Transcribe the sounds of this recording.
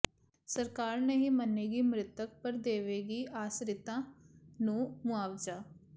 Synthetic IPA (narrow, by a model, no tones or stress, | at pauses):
səɾkaːɾnəɦĩːmənːeːɡiːmɾɪt̪ək̚pəɾd̪eːʋeːɡiːʔaːsɾɪt̪ãːnũːmʊaːʋd͡ʒaː